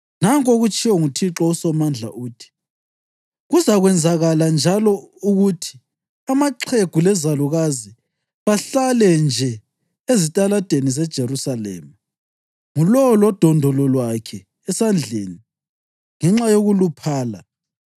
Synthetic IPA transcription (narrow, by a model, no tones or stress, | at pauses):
naŋkʼoɣut͡ʃʼiwɔŋutʰiǁɔusɔmand͡ɮʱa̰ʔuːtʰi̥ | ɣuzaɣwɛnd͡zʱaɣaland͡ʒʱalɔuɣutʰi̥ | amaǃʰeɡ̥ʱulɛzaluɣazi | βaɬalɛnd͡ʒʱɛ | ezitʼalad̥ʱenizɛd̥ʒ̥ʱeɾusalɛ̰ːma | ŋulɔlɔd̥ʱɔndʱɔlɔlwakʰɛː | sand͡ɮʱḛːni | ŋɛŋ͡ǁajoɣulupʰaːla̰